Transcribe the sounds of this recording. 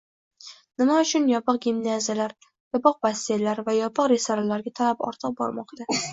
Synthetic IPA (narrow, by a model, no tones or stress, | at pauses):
nɪmaʊt͡ʃʰʊnjɒpɨq̚ɡʲimnazjalaɾ | jɒpɨq̚bast̪ejlaɾvajɒpʰɨqɾesaɾalaɾɡʲat̪ʰalapɒ̰ɾt̪ʰɨq̚bɒ̰ɾmɒqt̪a